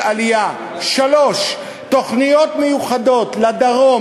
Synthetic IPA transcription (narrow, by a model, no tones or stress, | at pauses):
alija | ʃalo̞ʃ | t̪o̞χnijo̞t̪mejuχado̞tlad̪aʁo̞